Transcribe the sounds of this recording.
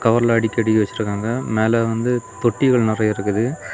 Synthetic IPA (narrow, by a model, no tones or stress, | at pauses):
kɐʋɐɾɐlɐːɽɪkːɯɐɽɪkːɯʋɐt͡ʃːɪɾɯkːaːŋɡɐmeːlɐʋɐnd̪ɯt̪ɔʈːɪɣɐɭnɪrɐɪɾɯkːɯðɯ